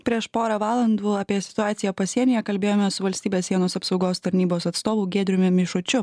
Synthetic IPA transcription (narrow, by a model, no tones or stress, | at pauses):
pʲɾʲiɛʃpoːɾɑːʋɑːlˠɐnd̪uːɐpʲiɛsʲɪ̥t̪ʊɑːt̪sʲɪjɛpɐsʲiɛnʲɪːjɛkɐlʲbʲeːjoːmʲɛsʊʋɐlʲsʲt̪ʲiːbʲeːssʲiɛnoːsɐpsɒʊɡoːst̪ɐɾʲnʲiːboːsɐt̪st̪oːʋuːɡʲeːd̪ʲɾʲʊmʲʊmʲɪʃʊt͡ʃʲʊ